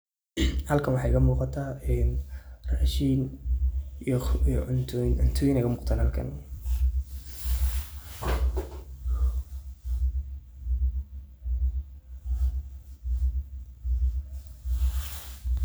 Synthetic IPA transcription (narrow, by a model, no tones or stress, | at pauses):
hɐlkʰɐnwɑħɑjkɐmuːqɑt̪ʰaːɛnraːʃin | nʊnt̪ʰʊɪnɛjkɐmuːqt̪ʰaːnhɐlkʰɐ̰n